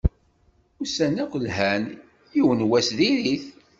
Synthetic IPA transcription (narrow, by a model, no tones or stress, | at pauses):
usænækʷəlɦæn | jiwənwæsðiɾiθ